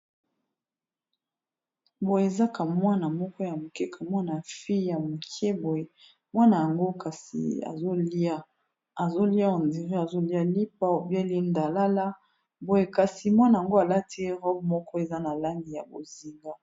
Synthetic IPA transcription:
bo˨je˨e˨za˦ka˨mwa˦na˨mɔ˦kɔ˦ja˨mo˨kɛ˦kʰa˨mwa˦na˨fi˦ja˨mo˨kʰɛ˦bo˨e˨ | mwa˦na˨ja˨ŋɡo˦ka˨sḭ˨a̰˨zo˦li˦a˦ | a˨zo˦li˦a˦o˨ndi˨ʁi˦a˨zo˦li˦a˦li˦p̚a˦o˨bja˦li˦nda˨la˦la˦ | bo˨je˨ka˨si˨mwa˦na˨ja˨ŋɡo˦a˨la˦ti˦e˦ʁɔ˦b̚mɔ˦kʰɔ˦e˨za˦na˨la˦ŋɡi˨ja˨bo˨zi˨ŋɡa˦

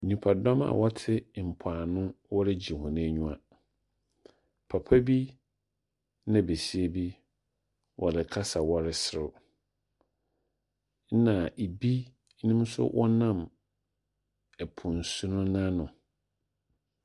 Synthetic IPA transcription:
ɲũ˨pʰa˨dɔ˦ma̰˨wɔ˦tʰɪ˦m̩˨pʰaː˨nʊ̃˦wɔ˦ɾɪ˦d͡ʑi˨hɔ̃˨nɪ̃˦æ˦ɲũ˦a˨ | pʰa˨pʰa˦bi˦ | nã˨be˨si˦e˦bi˦ | wʔɔ˨dɪ˨kʰa˦sa˨wɔ˦ɾɪ˦sɪ˦ɾʊ˨˦ | nã˨ʔi˨bi˦ | nɪ̃˦m˦sʊ̰˦wʔɔ˦nã˦˨m | ɛ˨pʰʊ̃˨n̩˨su˦nʊ̃˦nã˦nʊ̃˨

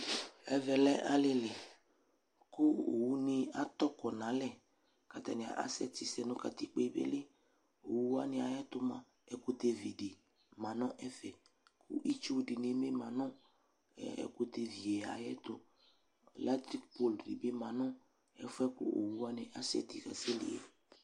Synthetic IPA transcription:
ɛ˦vɛ˨lɛ˦ʔa˦lɪ˦lɪ˨ | kʊ˦o̰˨wu˦nɪ̃˧a˦t̪ɔ˦kɔ˨nã˨˦lɛ˦ | ka˨t̪a̰˨nɪ̃˨a̰˨ʔa̰˦sɛ˦t̪ɪ˨sɛ˨nʊ̃˦ka̰˨t̪i˦k͡pe˦bḛ˦lɪ˦ | o˨wu˦wa˦nɪ̃˨a˨jɛ˦t̪ʊ˦mã˨ | ɛ˨˦kʊ˦t̪e˨vi˨di˨ | mã˨nɔ̃˦ʔɛ˦fɛ˨ | kʰʊ̰˦ʔi˦t͡ʃo˦di˨ne˨˦me˦mã˨nɔ̃˦˨ | ɛ̰˨ko˦t̪e˨vi˨ɛ˨a̰˨jɛ˦t̪ʊ˦˨ | la˦t̪ɾi˦kpo˦ldḭ˨be˦mã˨nɔ̃˦ | ɛ̰˨fʊ˦ɛ˦kʊ̰˦ʔo̰˨wu˦a˦nɪ̃˨ʔa˦sɛ̰˦t̪i˨ka̰˨sɛ˦lḭ˨ɛ̰˨

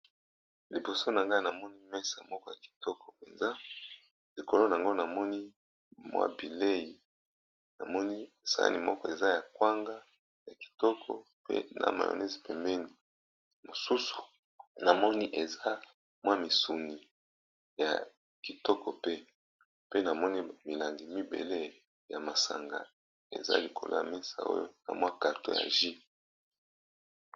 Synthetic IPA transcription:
li˨bo˨so˦na˨ŋɡa˦na˨mɔ˦ni˦mɛ˦sa˨mɔ˦kɔ˦ja˨ki̥˨tɔ˦kʰɔ̥˨pe˨nza˦ | li˨ko˨lo˦a˨a˨ŋɡo˦na˨mɔ˦ni˦ | mwa̰˦bi˨le˦ji˨ | na̰˨mɔ˦ni˦˨sa̰˦a̰˦ni˨mɔ˦kɔ˦e˨za˦ja˨kwa˦ŋɡa˦ | ja˨ki̥˨tɔ˦kʰɔ̰˨ | pḛ˦na̰˨ma̰˨jo̰˨ne˦zi˨pe˨mbɛ˦ni˨ | mo˨su˦su̥˨ | na˨mɔ˦ni˦ʔe˨za˦ | mwa˦mi˨su˨ni˨ | ja̰˨ | ki˨tɔ˦kɔ˨pe˦ | pe˦na˨mɔ˦ni˦mi˨la˨ŋɡi˨mi˦bḛ˨le˦ | ja˨ma˨sa̰˨ŋɡa̰˨ | ḛ˨za̰˦li˨kʰo˨lo˦ja˨mi˦sa̰˨o̰˦jo˦na̰˨mwa˦ka˨to˦ja̰˨ʒi˦

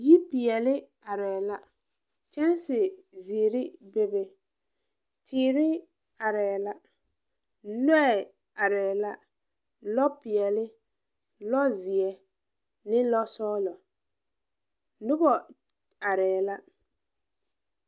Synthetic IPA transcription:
ji˦pɪ˨ɛ˨lɪ˦ | a˨ɾɛː˨la˦ | t͡ʃɛ˦nsɪ˨ziː˨ɾɪ˦be˦be˨ | tʰiː˨˦ɾɪ˦ | a˨ɾɛː˨la˦ | lɛ˦˨ | a˨ɾɛː˨la˦ | lɔ˦pɪ˨ɛ˨lɪ˦ | lɔ˦zɪ˨ɛ˨ | nɪ˦lɔ˦sɔː˦lɔ˨ | lʊ˦bɔ˨ | a˨ɾɛː˨la˦

